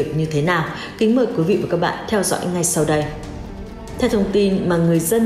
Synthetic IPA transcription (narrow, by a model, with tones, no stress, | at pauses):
k̚ɲɨ˧t̪ʰe˨˦naː˨˩w | kï˨˦ŋ̟məː˧˩jkwi˨˦vḭ˧˨vaː˨˩kaː˦˥k̚ɓa̰ː˧˨nt̪ʰɛ˧wzɔ̰˧˥˦jŋa˨˩jsa˧wɗə˧j | t̪ʰɛ˧wt̪ʰə˧wŋ͡mt̪i˧nmaː˨˩ŋɨ˨˩əjzə˧n